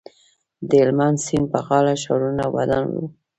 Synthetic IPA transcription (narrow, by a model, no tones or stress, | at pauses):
d̪əlmand̪sinpaɣɑlaʃɑ̰ɾunawa̰d̪a̰nwṵ